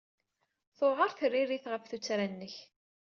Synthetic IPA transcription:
θʊʁəɾˤθərːirːiθʁəfθut͡sːɾænːəç

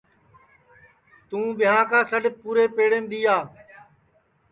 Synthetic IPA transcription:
t̪ũːɓɪjãːkãːsəɖɪpuːɾeːpeːɽẽːmd̪iːaː

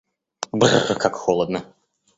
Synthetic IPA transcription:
brkakxɔlˠəd̪nə

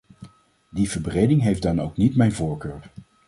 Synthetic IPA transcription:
divəɹbrejdɪŋɦejfdɑnowknitmɛjnvoːɹkøːɹ

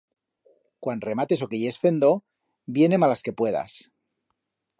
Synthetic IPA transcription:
kwanre̞mat̪e̞so̞kejesfe̞nd̪o̞ | bje̞ne̞malaske̞pwe̞ða̰s

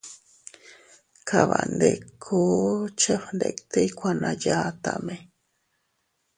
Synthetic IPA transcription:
kʰaβand̪ekʰot͡ʃefnd̪ekt̪ejkʷanajat̪ame

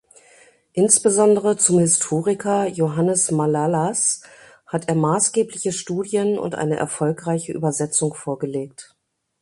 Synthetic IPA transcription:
ʔɪnsb̥əzɔndəʁət͡sʊmhɪstʰoːʁɪkʰɐjoɦanəsmalalas | hatʰʔeːɐmaːsɡ̥eːplɪçəʃtuːdjənʊ̰ntʔa̰ɪnəʔɛ̰ɐfɔlkʁaɪçəʔy̰ːbɐzɛt͡sʊŋfoːɐɡəleːk̚t

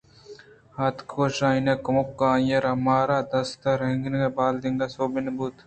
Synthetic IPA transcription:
hɐt̪kʰoːʃãːinekɐmokːãːjɐɾɐmaːɾaːd̪ɐst̪ɐɾɦeŋɡnɡebaːld̪iŋɡɐsoːbinbut̪

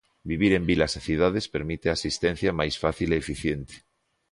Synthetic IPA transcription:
biβ̞iɾembilasaθiðað̞espeɾmit̪easist̪ẽn̟θjamajsfaθileːfiθjent̪e̥

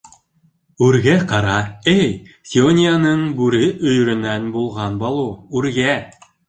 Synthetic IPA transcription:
ʉɾɡæqɑɾɑɘjsʲionʲijanɤɴbʉɾɘʔɵ̆jɵ̆ɾɵ̆nænbulˠʁɑnbɑlˠuʉɾɡæ

